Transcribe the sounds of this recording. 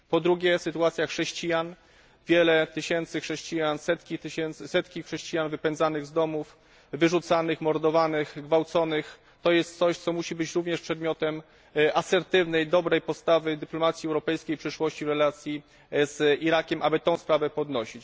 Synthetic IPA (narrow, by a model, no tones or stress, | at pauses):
pɔd̪ɾuɡʲɛsɘt̪uat̪sʲjaxʂɛɕt͡ɕijan | vʲjɛlɛt̪ɘɕɛnt̪sɘxʂɛɕt͡ɕijansɛt̪kʲit̪ɘɕɛnt̪sɘsɛt̪kʲixʂɛɕt͡ɕijanvɘpɛnzanɘɣzd̪ɔmuf | vɘʐut̪sanɘxmɔɾd̪ɔvanɘxɡvawt̪sɔnɘx | t̪ɔjɛst̪̚t̪sɔɕt̪sɔmuɕibɘt͡ɕɾuvɲɛʂpʂɛd̪mʲjɔt̪ɛm | ʔasɛɾt̪ɘvnɛjd̪ɔbɾɛjpɔst̪avɘd̪ɘplɔmat̪sʲjiɛwɾɔpɛjskʲejpʂɘʂwɔɕt͡ɕivɾɛlat̪sʲji | z̥iɾakʲɛmʔabɘt̪ɔ̃w̃spɾavɛpɔd̪nɔɕit͡ɕ